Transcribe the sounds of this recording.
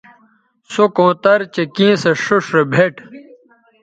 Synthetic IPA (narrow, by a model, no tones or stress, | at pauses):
sokõːt̪ɐɾt͡ɕekĩːseʂuʂɾebʱeʈ